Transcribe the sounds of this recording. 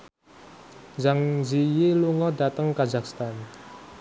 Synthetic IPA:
d͡ʒaŋzijeluŋɔdat̪əŋkazakst̪an

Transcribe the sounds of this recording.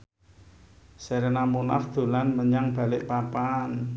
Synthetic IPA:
seɾenamuna̰fd̪̥o̤lanməɲaŋb̥ä̤lɪʔpapan

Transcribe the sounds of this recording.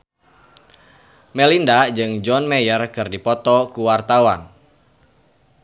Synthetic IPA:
mɛlindad͡ʒɨŋd͡ʒɔnmɛjərkɨrdipɔt̪ɔkuwart̪awan

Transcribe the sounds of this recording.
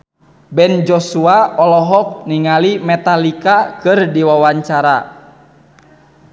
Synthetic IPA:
bɛnd͡ʒɔsuaɔlɔɦɔk̚niŋalimɛt̪alikakɨrdiwawaɲt͡ʃaɾa

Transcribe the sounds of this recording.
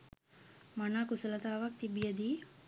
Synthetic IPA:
manaːkusələt̪aːʋak̚t̪ibijəd̪iː

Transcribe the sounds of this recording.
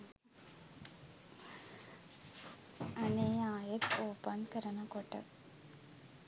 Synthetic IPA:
ɐneːjaːjɐt̪oːpɐnkɐɾɐnɐkɔʈːɐ̰

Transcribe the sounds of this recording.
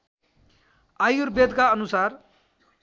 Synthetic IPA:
ajurbed̪kaʌnusar

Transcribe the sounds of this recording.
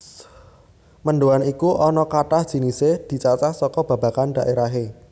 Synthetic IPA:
mənɖoanikuʔɔnɔkaʈahd̥ʒ̥i̤nisehd̪̥i̤t͡ʃat͡ʃahsɔkɔb̥a̤ba̤kanɖ̪a̤ʔeɾaɦe

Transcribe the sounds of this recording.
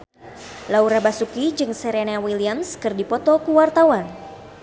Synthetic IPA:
lauɾabasukid͡ʒɨŋsɛɾenawiliamskɨrdipɔt̪ɔkuwart̪awan

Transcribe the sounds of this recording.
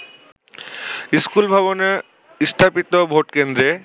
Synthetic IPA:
iskulbʱaβone | ist̪ʰapit̪obʱoʈkend̪ɾe

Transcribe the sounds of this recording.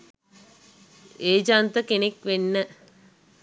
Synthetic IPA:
eːd͡ʒaːnt̪əkenekʋenːə

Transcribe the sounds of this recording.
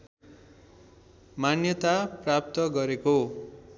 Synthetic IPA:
manjʌt̪aprap̚t̪ʌɡʌɾeko

